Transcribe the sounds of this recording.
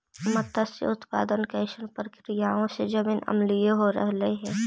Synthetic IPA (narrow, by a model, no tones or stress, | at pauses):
mɐt̪asḛʊt̪pa̰ːd̪ənkəɪʃənpəɾkɾijaõsed͡ʒɐbɪnɐ̰mlijeɦoɾɐ̰ɦleɦɛ̃ː